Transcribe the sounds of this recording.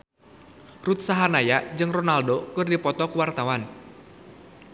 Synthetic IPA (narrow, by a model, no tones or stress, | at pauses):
rut̪̚saɦanajad͡ʒɨŋrɔnaldokɨrdipɔt̪ɔkuwart̪awan